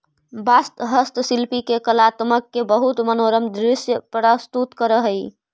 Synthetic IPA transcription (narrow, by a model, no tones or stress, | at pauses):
bast̪ɦəst̪silpikekəlat̪məkːebəɦut̪mənoɾəmd̪ɾɪsjəpɾəst̪ut̪kəɾəɦəj